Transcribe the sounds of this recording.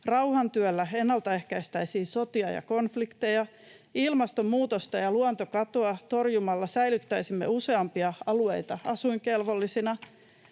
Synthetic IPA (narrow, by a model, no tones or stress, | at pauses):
rɑwhɑnt̪yølːæe̞nːɑlt̪ɑe̞hkæjst̪æjsiːso̞t̪iɑjɑ̰ko̞nflikt̪e̞jɑ | ilmɑst̪o̞mːuːt̪ost̪ɑjɑluont̪o̞kɑt̪o̞ɑt̪o̞rjumɑlːɑsæjlyt̪ːæjsimːe̞̰use̞ɑmpiɑɑlue̞jt̪ɑɑsuiŋkelʋo̞lːisinɑ